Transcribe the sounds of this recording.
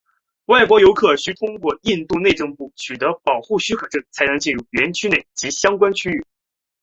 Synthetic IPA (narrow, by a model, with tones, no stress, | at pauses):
wa˥˩ɪkwɔ˧˥jo˧˥ʊkʰɤ˨˩ɕy˥t̪ʰʊ˥ŋkwɔ˥˧i˥˧nt̪u˥˧ne˥˧ɪʈ͡ʂɤ˥˧ŋpu˥˩t͡ɕʰy˨˩t̪ɤ˧˥pɑ˨˩ʊxu˥˩ɕy˥kʰɤ˨˩ʈ͡ʂɤ˥˩t͡sʰa˧˥ɪnɤ˧˥ŋt͡ɕi˥˧nɻu˥˩ɥɛ˧˥nt͡ɕʰy˥ne˥˩ɪt͡ɕi˧˥ɕjɑ˥ŋkwa˥nt͡ɕʰy˥y˥˩